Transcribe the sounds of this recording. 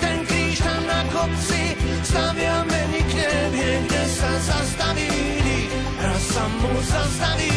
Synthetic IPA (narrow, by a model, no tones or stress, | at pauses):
t̪ɛnkɾiʃt̪anːakɔp̚t͡sist̪avjamɛnikɲɛvɛɡdɛsazast̪avili | ɾasamːɔzast̪avi